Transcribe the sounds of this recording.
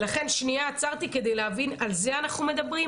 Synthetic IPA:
laχe̞nʃniaːt͡saʁt̪ike̞d̪e̞jleɦavinalze̞anaχnume̞d̪abʁi

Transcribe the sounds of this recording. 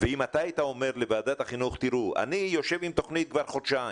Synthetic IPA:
veimat̪aat̪aome̞ɾlevaːd̪at̪haχinuχt̪iɾuʔa̰nijo̞ʃe̞vimt̪o̞χnit̪̚kvaɾχod̪ʃa

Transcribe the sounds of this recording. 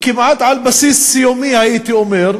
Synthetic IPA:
kɪmʕat̪ʕalbasiːsːijomihajiːt̪iʔomeɾ

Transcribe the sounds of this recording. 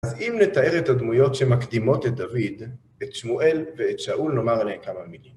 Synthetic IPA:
azimnet̪ae̞ʁetad̪mujo̞tʃemakd̪imo̞t̪et̚d̪avid̪ | et̪ʃmuʔe̞lveet̪ʃaʔulno̞maʁlekamamilim

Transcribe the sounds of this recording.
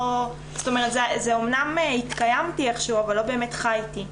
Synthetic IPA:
zo̥t̪o̞meʁet̪zezeomnamehit̪kajamtieχʃuavalːo̞beːmetχajti

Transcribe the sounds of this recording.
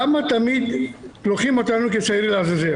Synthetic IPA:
amat̪amid̪loχimo̞t̪anuket͡saiɾlazaze

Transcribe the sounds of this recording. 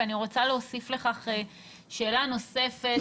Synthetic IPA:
aniʁo̞t͡saleosifle̞χaχe | ʃe̞ːlano̞se̞fe

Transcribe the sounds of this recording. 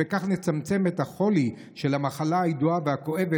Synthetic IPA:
ekaχnet͡samt͡se̞met̪haχo̞li | ʃe̞lamaχalaajiduaveako̞ʔe̞ve

